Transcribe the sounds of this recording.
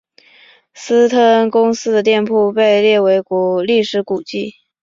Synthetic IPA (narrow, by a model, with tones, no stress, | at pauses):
sɹ̩˥t̪ʰɤ˥ə˥nkʊ˥ŋsɹ̩˥d̪ə˨t̪jɛ˥˧npʰu˥˧pe˥˧ɪljɛ˥˩we˧˥ɪkɔ˧˩li˥˩ʂɻ̩˧˥ku˨˩t͡ɕi˥˩